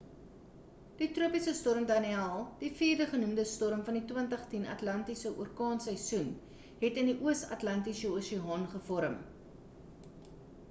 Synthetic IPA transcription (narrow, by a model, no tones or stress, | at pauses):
d̥itruəpisəstɔrəmdɐniɑːlˠd̥ifiːrdəχənumdəstɔɾəmfɐnditwəntəχtinɐ̰tlɐntisəʔṵərkɑːnsɛjsun | ɦɛtəndiʔuəsɐ̰tlɐntisəoːsiɦɑːnχəfɔɾəm